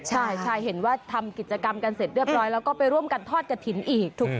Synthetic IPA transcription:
t͡ɕʰa˥˩jt͡ɕʰa˥˩jhe˩˦nwaː˥˩t̪ʰa˧mki˨˩t̪̚t͡ɕa˧ka˧mka˧nse˨˩t̪̚ɾɯ˥˩əp̚ɾɔː˦˥jlɛː˦˥wkɔː˥pa˧jɾu˥˩əmka˧nt̪ʰɔː˥˩t̪̚ka˧t̪ʰi˩˦nʔiː˨˩k̚t̪ʰu˨˩k̚

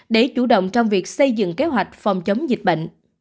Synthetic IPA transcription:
ɗe˧˩t͡ɕu˧˩ɗə̰˧˨wŋ͡mt͡ɕɔ˧wŋ͡mvi˨˩ək̚sə˧jzɨ̰˧˨ŋke˨˦ɦwa˨˩jk̟̚fɔ˨˩wŋ͡mt͡ɕə˨˦wŋ͡mzi˨˩k̟̚ɓə̰˧˨ŋ

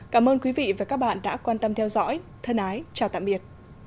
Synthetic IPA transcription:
kaː˧˩mʔəː˧nkwi˨˦vḭ˧˨vaː˨˩kaː˦˥k̚ɓa̰ː˧˨nɗa̰ː˧˥kwaː˧nt̪ə˧mt̪ʰɛ˧wzɔ̰˧˥jt̪ʰə˧nʔaː˨˦jt͡ɕaː˨˩t̪a̰˧˨mɓi˨˩ət̚

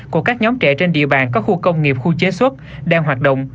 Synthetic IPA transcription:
ku˧˩əkaː˦˥k̚ɲɔ˨˦mt͡ɕɛ̰˧˩t͡ɕe˧nɗḭ˧˨əɓaː˧˩nkɔ˨˦xu˧kə˧wŋ͡mŋi˨˩əp̚xu˧t͡ɕe˨˦swə˦˥t̚ | ɗaː˧ŋɦwaː˨˩t̚ɗə̰˧˨wŋ͡m

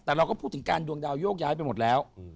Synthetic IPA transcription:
t̪ɛː˨˩ɾa˧wkɔː˥˩pʰuː˥˩t̪ʰːɯ˩˦ŋka̰ː˧ndu˧əŋdaː˧wjoː˥˩k̚jaː˦˥jpa˧jmo˨˩t̪̚lɛː˦˥w

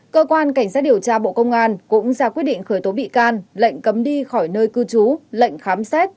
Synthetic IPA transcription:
kəː˧kwaː˧nka˧˩jŋ̟saː˦˥t̚ɗi˨˩əwt͡ɕaː˧ɓo̰˧˨kə˧wŋ͡mʔaː˧nkʊ̰˧˥ŋ͡mzaː˧˩kwi˦˥t̚ɗḭ̈˧˨ŋ̟xəː˧˩jt̪o˨˦ɓḭ˧˨kaː˧nlə̰˧˨jŋ̟kə˨˦mɗi˧xɔ˧˩jnəː˧jkɨ˧t͡ɕu˨˦lə̰˧˨jŋ̟xaː˨˦msɛ˦˥t̚

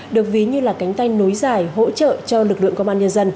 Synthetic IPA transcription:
ɗɨ˨˩ək̚vi˨˦ɲɨ˧laː˨˩ka˨˦jŋ̟t̪a˧jno˨˦jzaː˨˩jɦo̰˧˥t͡ɕə̰ː˧˨t͡ɕɔ˧lɨ˨˩k̚lɨ̰˧˨əŋkə˧wŋ͡mʔaː˧nɲə˧nzə˧n

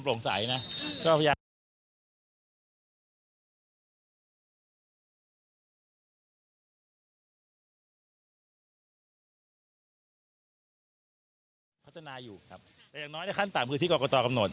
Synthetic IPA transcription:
mplo˨˩˦ŋsa̰˨˩˦jna˦˥kɔː˥˩a˧jaː˧ | pʰt̪ʰa˧naː˧juː˨˩kʰa˦˥p̚t̪ɛ˨˦ja˨˩nɔː˦˥jna˥˩kʰa˥˩nt̪aː˨˩˦mkʰɯ˧t̪i˥˩kːkɔ˧t̪ɔː˧ka˧mno˨˩t̪̚

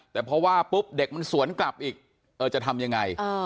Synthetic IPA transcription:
t̪ɛː˨˩pʰɾɔ˦˥waː˥˩pu˦˥p̚de˨˩k̚ma˧nsu˨˩˦ənkla˨˩p̚ʔiː˨˩k̚ | ʔɤː˨˩t͡ɕa˨˩t̪ʰa˧mja˧ŋːa˧jəː˧˩

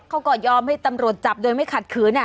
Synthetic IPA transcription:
kʰa˦˥˩wkɔː˧˩jɔː˧mha˥˩jt̪a˧mɾu˨˩ət̪̚t͡ɕa˨˩p̚doː˧jma˥˩jkʰa˨˩t̪̚kʰɯː˩˦na˧˩

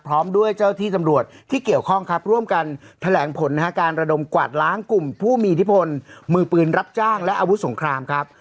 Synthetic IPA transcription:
pʰɾɔː˦˥mdu˥˩əjt͡ɕaː˥˩wt̪ʰiː˥˩t̪a˧mɾu˨˩ət̪̚ʰːiː˥˩ki˨˩əwkʰɔ˥˩ŋkʰa˦˥p̚ɾu˥˩əmka˧nt̪ʰa˧lɛː˩˦ŋpʰo˩˦nːa˧˩a˦˥kaː˧nɾa˧do˧mkwa̰˨˩t̪̚laː˦˥ŋku˨˩mpʰuː˥˩miː˧t̪ʰi˦˥pʰo˧nmɯː˧˩pɯː˧nɾa˦˥p̚t͡ɕaː˥˩ŋlɛ˦˥ʔaː˧wu˦˥t̪so˩˦ŋkʰɾaː˧mkʰa˦˥p̚

